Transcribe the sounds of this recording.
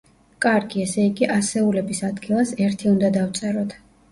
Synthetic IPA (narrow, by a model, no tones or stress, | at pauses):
kʼaɾɡiɛsɛiɡiʔasɛulɛbisad̪ɡilˠasɛɾt̪ʰiund̪ad̪aft̪sʼɛɾɔt̪ʰ